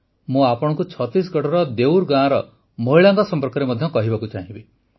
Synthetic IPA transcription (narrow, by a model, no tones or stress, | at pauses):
mũapɔɽ̃ɔ̃ŋkut͡ʃʰɔt̪ɾis̬ɡɔʈɔɾɔd̪ewɾɡãɾɔ | moɦiɭaŋkɔsɔmpɔɾkɔɾemɔd̪ʱjɔkɔɦibakut͡ʃaɦĩbi